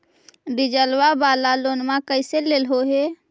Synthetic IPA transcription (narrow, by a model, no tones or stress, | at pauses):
ɾid͡ʒəlwabaːlalonmakəɪseleːlɦoɦe